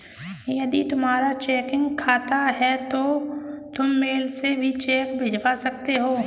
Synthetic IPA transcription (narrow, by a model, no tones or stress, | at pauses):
jɐd̪it̪ʊmɦaːɾat͡ʃɛːkɪ̃ŋɡkʰaːt̪aɦɛt̪ot̪ʊmːeːlsebʱit͡ʃɛːkbʱɪd͡ʒʱʋasɐkt̪eɦoː